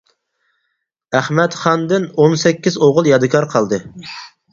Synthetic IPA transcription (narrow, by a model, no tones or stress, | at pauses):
æχmɛt̪χɑnd̪ɪnonsɛkʲːizoʁʊlˠjɑd̪ɨkʰɑɾqʰɑlˠd̪ɨ